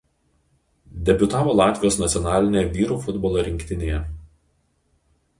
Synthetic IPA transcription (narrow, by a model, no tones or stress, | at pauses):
d̪ʲɛbʲʊt̪ɑːʋoːlˠɑːt̪ʲʋʲjoːsnɐt̪sʲjɔnɑːlʲɪnʲeːʋʲiːɾuːfʊd̪bɔːlˠoɾʲɪŋʲkʲt̪ʲɪnʲeːjɛ